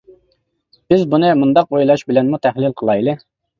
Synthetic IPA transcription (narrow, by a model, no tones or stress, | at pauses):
b̥ɪzbunɨmund̪ɑqojlˠɑʃbɪlɛnmut̪ʰæhlɪlqʰəlˠɑjlˠɨ